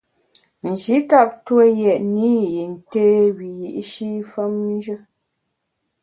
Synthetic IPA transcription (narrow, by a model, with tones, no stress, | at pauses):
n̩˨d͡ʒi˨˦ta˦p̚twə˦jɛ˨ʔni˦ji˨n̩˨te˦wi˨ji˨ʔʃi˦fə˦mn˦d͡ʒə˦